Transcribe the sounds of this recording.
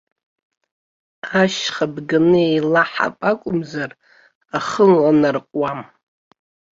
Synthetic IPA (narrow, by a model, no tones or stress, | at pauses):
aʃχabɡɨnɨejlaħa̰pʼakʷʼʊmzar | aχəlwanarqʷʼwam